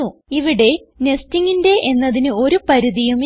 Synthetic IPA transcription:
uiʋiɽe̞ | ne̞stiŋːinde̞ʔe̞nːɐðinɨo̞ɾupɐɾuðijum

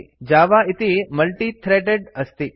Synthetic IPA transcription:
d͡ʒaːʋaɪt̪imɐlʈit̪ʰɾeːʈeɖəst̪i

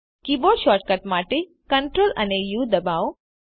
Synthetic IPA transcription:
kiboʃɔːʈ̚kɐʈmaːʈi | kɐ̃ɳʈɾoːlɐ̰nejuːd̪ɐbaːw

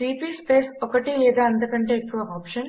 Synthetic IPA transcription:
ʈiːpiːspeːsɔkɐʈilɛːd̪aːɐnd̪ukɐɳʈeːkːuʋɐaːpʂɐn

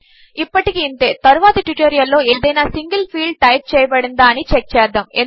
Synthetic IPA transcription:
ipːɐʈikiːnt̪e̞ːt̪ɐɾuʋaːt̪ɐʈʋiʈoːɾijɐlːo̞ːeːd̪ɐjnaːsiŋɡɐlpʰiːɭɖ̚ʈɐjp̚t͡ʃɛːjɐbɐɽind̪aːɐnit͡ʃɛk̚t͡ʃɛːd̪ːɐme

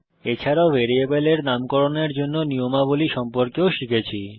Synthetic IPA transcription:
et͡ɕʰaɾaobeɾiebeleɾnamkɔɾoneɾd͡ʑonːoniomaboliʃɔmpoɾkeoʃikʰet͡ɕʰi

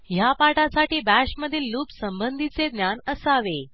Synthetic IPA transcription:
ɦjapaʈasaʈiːbæɕməd̪ʱiːluːpsəmbənd̪ʱit͡sed̪njanəsaʋe

